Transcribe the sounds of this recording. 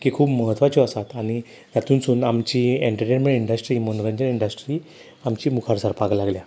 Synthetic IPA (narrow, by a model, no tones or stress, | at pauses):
kiːkʰuːpməɦət̪ʋat͡ɕɔəsat̪aɽ̃i | t̪jat̪ʰuːnt͡suːnamt͡ɕiːeɳʈəɾʈenmẽɳʈiɳɖəsʈɾiːmonɾəɲd͡ʑəniɳɖəsʈɾiː | amt͡ɕiːmukʰaɾsaɾpaɡlaɡlja